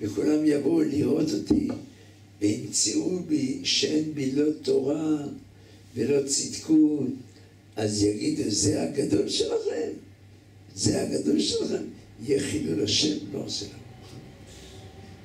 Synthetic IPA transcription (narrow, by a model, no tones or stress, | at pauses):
vekulamjaboliʁo̞t̪o̞t̪ʰḭ | vehimt͡siʔubiʃenbilo̞t̪o̞ʁa | velo̞t͡sid̪ku | ʔazjaɡid̪uzehaɡad̪o̞lʃelaχem | zeha̰ɡad̪olʃelaχemjeχidulaʃḛnbo̰ʁselam